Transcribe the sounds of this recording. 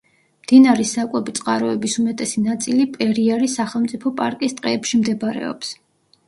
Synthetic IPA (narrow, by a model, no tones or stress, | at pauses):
md̪̥inaɾisakʼwɛbit̪sʼqʼaɾɔɛbisumɛt̪ʼɛsinat̪sʼilipʼɛɾiaɾisaχɛlˠmt̪sʼipʰɔpʼaɾkʼist̪ʼqʼɛːpʃimd̪ɛbɾɛ̰ɔ̰ps